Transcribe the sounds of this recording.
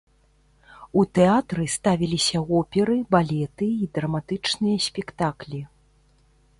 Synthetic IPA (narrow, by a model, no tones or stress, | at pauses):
ut̪ɛat̪ɾɨst̪avʲilʲisʲɐɣɔpʲɛɾɨbalʲɛt̪ɨid̪ɾɐmat̪ɨt͡ʂnɨjɐsʲpʲɛkt̪aklʲi